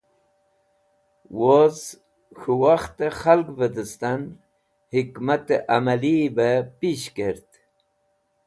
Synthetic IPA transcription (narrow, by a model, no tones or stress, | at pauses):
woz | xuwaxt̪exalkbəd̪əst̪an | hikmat̪eʔamalibepiɕkeɾt̪